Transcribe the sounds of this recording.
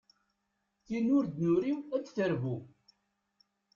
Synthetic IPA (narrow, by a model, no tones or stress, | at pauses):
θinʊɾd̪nuɾiwæt͡sːθəɾvu